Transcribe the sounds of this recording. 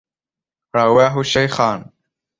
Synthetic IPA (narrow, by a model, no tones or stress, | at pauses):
ɾawaːɦʊʃajxɑːn